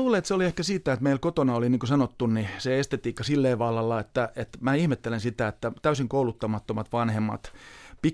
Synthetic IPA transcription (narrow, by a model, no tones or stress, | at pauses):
uːleet̪seoliehkæsiːt̪ːæet̪meilkot̪onɑoliniːŋkosɑnot̪ːunniseest̪et̪iːkːɑsilːeːʋɑlːɑlːɑet̪ːæet̪mæihmet̪ːelensit̪æet̪ːæt̪æysiŋkoulut̪ːɑmɑt̪ːomɑt̪ʋɑnhemːɑ̰t̪pi